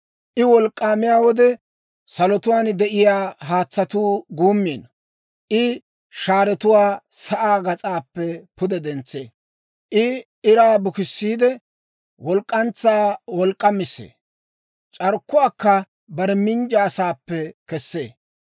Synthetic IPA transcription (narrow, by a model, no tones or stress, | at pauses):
ʔɪwɔlkʼːaːmɪjaːwɔd̪ɛ | sɐlɔt̪ʊwaːnd̪ɛʔɪjaːɦaːt͡sːɐt̪uːɡuːmːeːnɐ | ʔɪ | ʃaːɾɛt̪ʊwaːsɐʔaːɡɐt͡sʼaːpːɛpʊd̪ɛd̪ɛnt͡sːḛː | ʔɪ | ɪɾaːbʊkɪsːiːd̪ɛ | wɔlkʼːɐnt͡sːaːwɔlkʼːɐmɪsːḛː | t͡ʃʼɐɾkːʊaːkːɐ | bɐɾɛmɪnd͡ʒaːsaːpːɛkɛsːḛː